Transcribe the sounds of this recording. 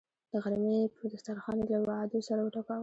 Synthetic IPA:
d̪̥əɣaɾmepəd̪axt̪aɾxɑnelawad̪osaɾawəʈakɑw

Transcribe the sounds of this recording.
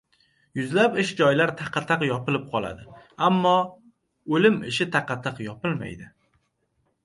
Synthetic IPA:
jʊzlapɪʃd͡ʒɒjlaɾt̪ʰɑqʰɑt̪ʰɑqjɒpɪlɪp̚qʰɒlˠa̰d̪ɪamːɒ | olɪmɪʃɪt̪ʰaqɑt̪ʰɑqjɒpɪlma̰jd̪ɪ

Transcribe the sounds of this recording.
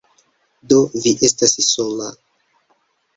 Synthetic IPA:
do̞viʔe̞stasso̞la

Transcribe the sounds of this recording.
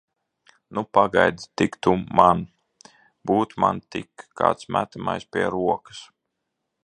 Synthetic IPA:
nupaɡa̰jd̪t̪ikt̪uman | b̥uːt̪ma̰nt̪ikʰːa̰ːt̪smæ̰t̪amajspʲiɛɾuɔkɨ̥s

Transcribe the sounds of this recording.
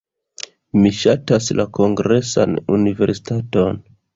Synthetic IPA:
miʃataslako̞ŋɡɾe̞sa̰nunive̞ɾsi̥tato̞n

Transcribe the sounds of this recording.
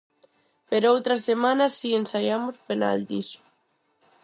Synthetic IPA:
peɾowt̪ɾasemanasiensaʎamospena̰ld̪iso̥

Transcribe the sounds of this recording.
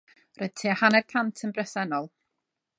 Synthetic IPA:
rʔɔjð̥tʰiːahanɛdkʰantʰənbrɛsɛnɔlˠ

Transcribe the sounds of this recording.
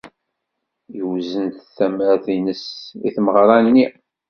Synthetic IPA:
jəwzənθθæmɾæθinəsḭθməʁɾˤɑnnːi

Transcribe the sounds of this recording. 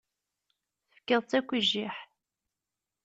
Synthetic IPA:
θəfkːəðˤt͡sːækʷːəʒiħ

